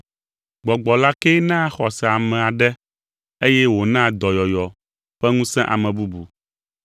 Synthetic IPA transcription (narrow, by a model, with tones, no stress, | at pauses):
ɡ͡bɔ˨ɡ͡bɔ˨la˦kɛ˦nã˦xɔ˨sɛ˨a˨mɛ̃˨a˨ɖɛ˦ | e˦jɛ˦wo˨nã˦d̪ɔ˨jɔ˨jɔ˨ | ɸɛ˦ŋũ˦sɛ̃˦ʔa̰˨mɛ̃˨bu˦bu˨